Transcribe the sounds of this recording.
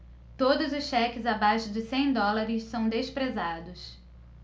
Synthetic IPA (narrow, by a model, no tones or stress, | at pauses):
t̪od̪ʊzʊsʃɛkɪzabajʃʊd͡ʒɪsẽj̃d̪ɔlaɾɪʃsɐ̃w̃d̪espɾezad̪ʊs